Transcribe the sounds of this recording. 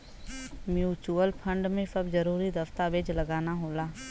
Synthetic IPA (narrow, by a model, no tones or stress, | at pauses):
mjuːt͡ʃuəlpʰə̃ɳɖmẽsəbzɐɾuːɾid̪ɐft̪aʋeːd͡ʒlɐɡaːnaɦoːlaː